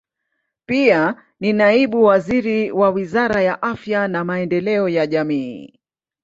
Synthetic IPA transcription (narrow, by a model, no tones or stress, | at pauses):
pia | ninaiɓuwaziɾiwawizaɾajaʔafjanamaɛndɛlɛɔjaʄamiː